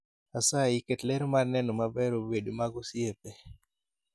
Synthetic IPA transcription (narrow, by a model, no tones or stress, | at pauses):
asaiketlɛɾmarnɛnɔmabɛɾobedomaɡosiepɛ